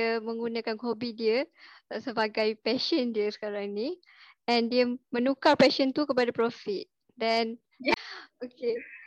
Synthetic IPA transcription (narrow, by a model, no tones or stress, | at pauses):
əmə̃ŋɡunãkanhobidiəsəbaɡajpɛʃəndiəsə̥kaɾaŋnĩ | ɛ̃ndiəmə̃nũkarpɛʃənt̪ukəpadapɾofit̪̚ | dɛn | oke